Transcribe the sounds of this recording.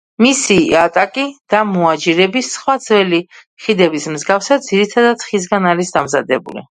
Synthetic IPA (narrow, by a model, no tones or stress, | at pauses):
misiat̪ʼakʼid̪̥amɔad͡ʒiɾɛbisχwad̪zwɛli | χid̪ɛbismzɡafsad̪ziɾit̪ʰad̪at̪χis̬ɡanalisd̪amzad̪ɛbṵlḭ